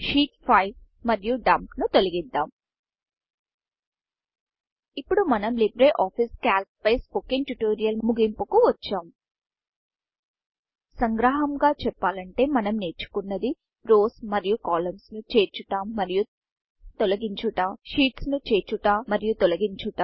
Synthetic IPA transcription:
ʃiːʈpʰɐjb | mɐɾijuɖɐmknut̪olɐɡid̪ːaːm | ipːuɽumɐnɐmlibɾeʔaːpʰiskaːlp̚pɐjspokiŋʈuʈoːɾijɐlmuɡimpukuʋɐt͡ʃːaːm | sɐŋɡɾaːɦɐmɡaːt͡ʃɛpːaːlɐɳʈe̞ːmɐnɐmne̞ːɾt͡ʃu̥kunːɐd̪i | ɾo̞ːsmɐɾijukaːlɐmsnut͡ʃe̞ːɾt͡ʃuʈaːmːɐɾiju | t̪olɐɡiɲt͡ʃuʈaːʃiːʈsnut͡ʃe̞ːɾt͡ʃuʈaːɐɾijut̪ɔlɐɡiɲt͡ʃuʈaːm

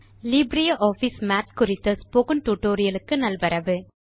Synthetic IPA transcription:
liːbɾɪjɐʔoːfismaːt̪kʊɾɪt̪ːɐspoɣɐnʈuːʈːoːɾɪjɐlɯkːɯnɐlʋɐɾɐʋɯ

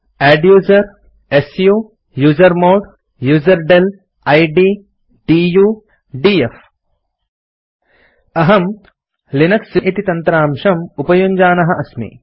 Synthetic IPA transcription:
æːɖjuːzɐɾ | esjuː | juːzɐɾmoːɖ | juːzɐɾɖel | ɐjɖiː | ɖijuː | ɖief | ɐɦɐm | linɐksiit̪it̪ɐnt̪ɾaːmʃɐmupɐjuɲd͡ʒaːnɐɦɐʔɐsmḭ

